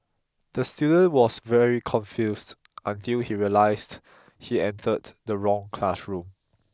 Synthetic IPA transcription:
d̥əstjudə̃nwɔsvɛɹikʰɔ̃nfjusd | ʔə̃ntilhiɹiəlaɪsd | hiɛ̃ntʰəddəɹɔ̃ŋkʰlasɹũm

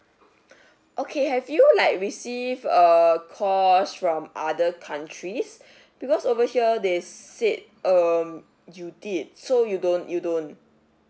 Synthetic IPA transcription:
ʔokʰehɛvjulaɪk̚ɹisivəkʰɔsfɹɔ̃mʔa̰dəkʰãntʰɹis | b̥ikɔsovəhiədesit̚ | ʌm | judit̚sojudõnjudõn

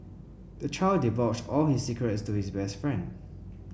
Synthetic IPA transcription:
d̥ət͡ʃʰaɪldivɔt͡ʃtɔlhisikɹətstuhisbɛstfɹɛ̃nd

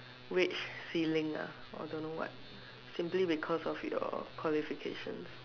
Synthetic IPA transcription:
ɹit͡ʃsilĩŋa̰ | ɔ̰dõnːowɔ̰t̚ | sĩmplibikʰɔsɔfjɔ̰kʰwɔlifikʰḛʃə̰̃ns

